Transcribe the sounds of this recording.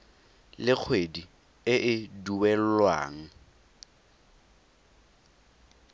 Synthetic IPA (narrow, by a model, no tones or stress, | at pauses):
lɪk͡xʰwedi | ɪʔɪduwɛl̩lwa̰ːŋ̩